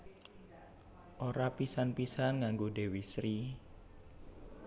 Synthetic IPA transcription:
ʔoɾapisanpisanŋaŋɡoɖewisɾi

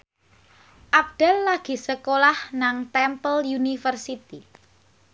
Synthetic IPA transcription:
ʔab̚d̥alːaɡ̥i̤səkolahnaŋt̪ɛmpəljunifərsit̪i

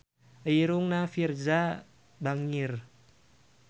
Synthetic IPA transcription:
əjiɾuŋnafirza | baŋir

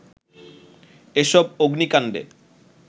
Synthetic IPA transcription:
eʃɔboɡnikanɖḛ

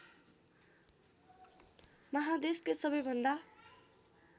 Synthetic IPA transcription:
mʌɦad̪eskesʌbʌjbʱʌnd̪a

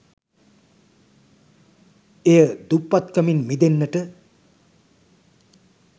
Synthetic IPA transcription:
ejəd̪upːat̪kəminmid̪enːəʈə

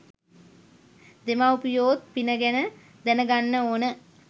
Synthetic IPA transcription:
d̪emaupjoːt̪̚pinəɡɛnə | d̪ɛnəɡanːəoːnə

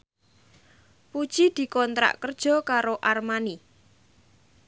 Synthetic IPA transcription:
pud̥ʒ̥id̪̥i̤kɔnt̪ɾa̰ʔkərd̥ʒ̥ɔ̤kaɾoʔarmani

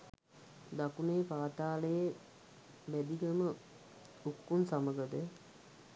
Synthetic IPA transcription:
d̪akunejːpaːt̪aːləje | bæd̪iɡəmə | ukːunsaməɡəd̪ə

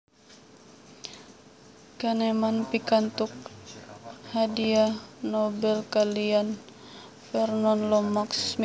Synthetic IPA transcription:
kanɛmanpikant̪uk̚ | hadianɔbɛlkalian | fɛrnɔnlɔmaksm

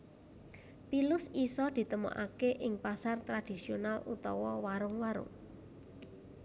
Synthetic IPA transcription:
pilʊsisɔd̪̥i̤t̪əmo̰ʔa̰keʔɪŋpasart̪ɾad̪̥i̤sionalṵt̪ɔwɔwaɾʊŋwaɾʊ̰ŋ

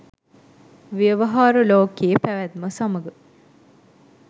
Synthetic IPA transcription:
ʋiəʋəɦaːɾəloːkejəpæʋæt̪̚məsaməɡə

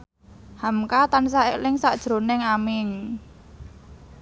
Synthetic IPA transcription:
hamkat̪ansaɪʔlɪŋsaʔd̥ʒ̥ɾo̤nɪŋamɪŋ

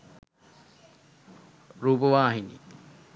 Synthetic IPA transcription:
ɾuːpəʋaːɦinḭ

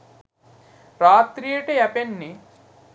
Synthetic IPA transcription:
ɾaːt̪ɾijeʈejɐpenːi

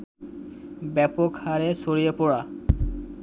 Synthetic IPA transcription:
bɛpokhaɾesoɾijepɔɽa

